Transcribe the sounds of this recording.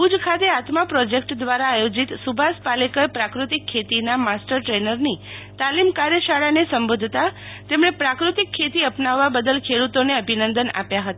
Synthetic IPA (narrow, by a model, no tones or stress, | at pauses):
pud͡ʒkʰat̪eat̪mapɾɔd͡ʒek̚ʈd̪ʋaɾaːjod͡ʒit̪subʱaspalekəɾpɾakɾut̪ikʰːet̪inamasʈəɾʈɾenəɾnit̪alimkaɾjəʃaɭanesəmbod̪ʱt̪a | t̪emɳepɾakɾut̪ikʰːet̪iəpnaʋːabəd̪əlkʰeɽut̪oneəbʱinənd̪əna̰pjaɦət̪aa